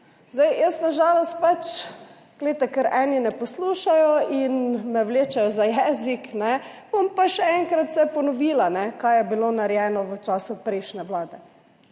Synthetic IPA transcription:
zd̪ajjəst̪naʒaːlɔst̪̚pat͡ʃ | ɡ̥lɛɪt̪ɛkəɾɛninɛpɔsluːʃajɔinmɛwleːt͡ʃajɔzajɛːziknɛb̥ompaʃɛɛŋkɾat̪sɛpɔnɔʋiːlanɛkajjɛbilonaɾjɛːnɔʋət͡ʃaːsʊpɾɛɪʃnɛʋlaːd̪ɛ

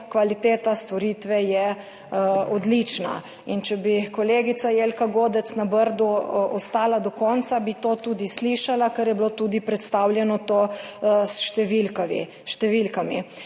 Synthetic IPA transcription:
kʋalit̪eːt̪ast̪ʋoɾiːt̪ʋɛjɛ | ɔd̪lit͡ʃna̰ | int͡ʃɛbikɔleːɡit̪sajeːlkaɡoːd̪ɛt̪snabəɾd̪uɔst̪aːlad̪ɔkɔːnt̪sabit̪oːt̪uːd̪isliʃalakəɾjɛbloːt̪ud̪ipɾɛt̪st̪aːwljɛnɔt̪oːsʃt̪ɛʋilkaḭ | ʃt̪ɛʋilkamḭ

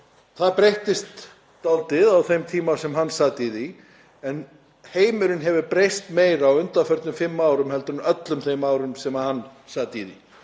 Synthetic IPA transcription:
θaðpɾejht̪ɪst̪ː | alt̪ɪðawθejmt̪ʰiːmasɛmɦanːsaːt̪iði | ɛn | heːjmʏɾʏnɦɛvʏɾpɾejst̪meːjɾawʏnt̪afœɾt̪nʏmfɪmːaːwɾʏmhɛlt̪ʏɾnœt̪lʏmθejmaːwɾʏmsɛmahanːsaːt̪iði

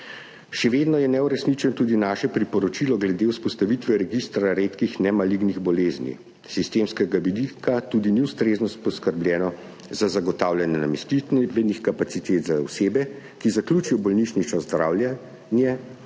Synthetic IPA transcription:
ʃɛʋeːd̪nɔjɛnɛuɾɛsnit͡ʃɛnɔt̪uːd̪inaːʃɛpɾipɔɾɔt͡ʃilɔɡlɛd̪euspɔst̪aʋit̪ʋɛɾɛɡist̪ɾaɾeːt̪kixnɛmaliɡniɣbɔleːznḭ | sist̪eːmskɛɡaʋid̪ikat̪uːd̪iniwst̪ɾeːznɔspɔskəɾbljɛːnɔ | zazaɡɔt̪aːwljanjɛna̰mɛst̪it̪ʋɛd̪nixkapat̪sit̪eːt̪zawseːbɛ | kizaklʲjuːt͡ʃijɔbɔlniʃniʃt͡ʃɔzd̪ɾaːwlja | njɛ

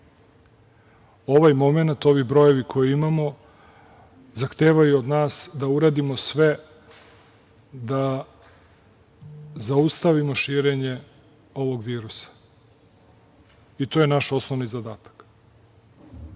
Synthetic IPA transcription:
o̞ʋajmo̞me̞nat̪o̞ʋibɾo̞je̞ʋikʰo̞jiimamo̞ | zaxt̪eːʋajuod̪naːsd̪auɾaːd̪imo̞sʋe | d̪a | zaust̪aʋimo̞ʃiːɾeɲe̞ | o̞ʋo̞ɡʋiːɾusḁ | it̪ojenaʃo̞snoʋnizad̪aːt̪ḁk

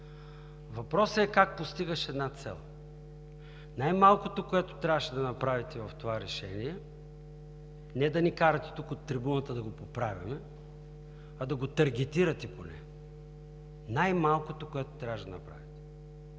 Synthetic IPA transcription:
vɐpɾɔsəɛkak̚post̪iɡəʃɛd̪nat̪sɛ̰lˠ | najmalˠkot̪okoɛt̪ot̪ɾʲavəʃɛd̪ɐnɐpɾavit̪ɛvɐft̪ovaɾɛʃɛniɛ | nɛd̪ɐnikaɾɐt̪ɛ̥t̪ukot̪ːɾibunət̪əd̪ɐɡopopɾavʲimɛ | ɐd̪ɐɡot̪ɐɾɡʲɛt̪iɾɐt̪ɛponɛ̰ | najmalˠkot̪okoɛt̪o̥t̪ɾʲavəʃd̪ɐ̰nɐpɾa̰vit̪ɛ̥

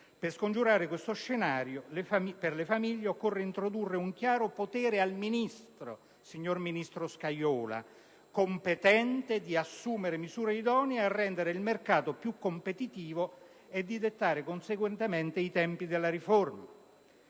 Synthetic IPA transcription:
perskond͡ʒuɾaːɾekwest̪oʃːenaːɾjoleaiperlefamiʎːeokːorːeint̪ɾod̪urːeuŋk̟jaːɾopot̪ɛːɾealminist̪ɾo̰ | siɲːorminist̪ɾoskajɔːla̰ | kompet̪ɛnt̪ed̪iasːuːmeɾemizuːɾeid̪ɔːniarːɛnd̪eɾeilmerkaːt̪opjukːompet̪it̪iːvo | ed̪ːid̪et̪ːaːɾekonseɡwɛnt̪ement̪eit̪ɛmpid̪elːaɾiforma

